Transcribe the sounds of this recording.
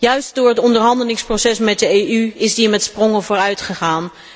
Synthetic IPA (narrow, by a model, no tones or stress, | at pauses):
jœɥst̚dʊːɹɦətɔndəɹɦɑndəlɪŋsprowsɛsmɛt̚dəejyɪzdimɛtsprɔŋəvʊːɹœɥtχəχaːn